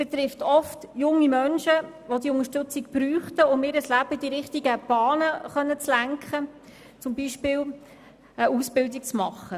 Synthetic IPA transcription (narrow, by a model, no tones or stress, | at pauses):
b̥ɛt̪ɾɪftɔftjʊŋːimœnʃə | ʋodiʊŋəʃtɵt͡sɪkb̥ɾyːχtəʊmɪɾəslæb̥əd̥iɾɪχtiɡəb̥ɑːnəχœnːət͡slæŋkχə | t͡sʊmbiːʃpɪːl | əʔusbɪldik̚t͡smɑχːə